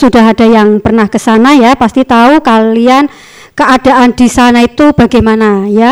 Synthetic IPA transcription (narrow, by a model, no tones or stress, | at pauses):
sudaɦad̥a̤jaŋpərnahkəsanajapast̪it̪aukalian | kəad̥a̤ʔand̥isanait̪ub̥aɡajmanaja